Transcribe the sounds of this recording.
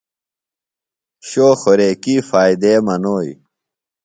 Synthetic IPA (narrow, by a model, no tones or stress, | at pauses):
ɕoːxoɾeːkiːfaːid̪emɐnoːj